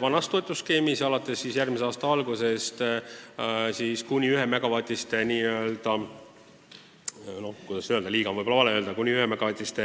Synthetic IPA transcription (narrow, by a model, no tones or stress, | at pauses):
vɑnɑst̪o̞jt̪ːˑuske̞ːmisɑlɑt̪ːˑe̞sːisjærmiseɑːst̪ɑɑlɡuse̞st̪ | siskunʲiyɦe̞meɡ̥ɑvɑt̪ʲˑist̪e̞niːøld̪̥ɑ | no̞kujd̪̥ɑsøld̪ɑliːɡɑvɯjbolɑɑleøld̪ɑkunʲiyhemeɡɑvɑt̪ʲist̪e